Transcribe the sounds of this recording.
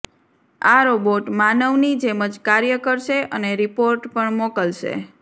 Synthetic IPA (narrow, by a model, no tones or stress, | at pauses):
aɾoboʈmanəʋnid͡ʒeməd͡ʒkaɾjəkəɾʃeʔəneɾipoɾʈpəɳmokəlʃḛ